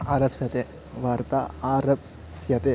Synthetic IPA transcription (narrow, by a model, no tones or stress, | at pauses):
aːɾɐbsjɐt̪e | ʋaːɾt̪aːɾɐp̚ | sjɐt̪e